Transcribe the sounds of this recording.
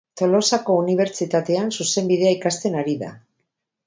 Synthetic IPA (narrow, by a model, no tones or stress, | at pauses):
t̪o̞lo̞sako̞uniβ̞e̞ɾt͡ʃit̪at̪e̞ansuse̞mbiðe̞aikast̪e̞naɾiða̰